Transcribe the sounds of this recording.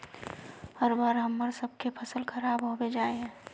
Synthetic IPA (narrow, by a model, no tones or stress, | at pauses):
həɾbaːɾɦəmːəɾsəb̚kepʰəsəlkʰəɾaːbɦowed͡ʒaːeɦɛ̃ː